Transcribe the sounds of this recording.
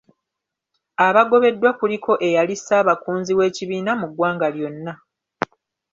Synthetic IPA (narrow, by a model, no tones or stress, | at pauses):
aβaɡo̞βe̞dːwakulikʰo̞ʔe̞jalisaːβakuːnziwe̞ːciβiːnamuɡwaːŋɡaljo̞nːa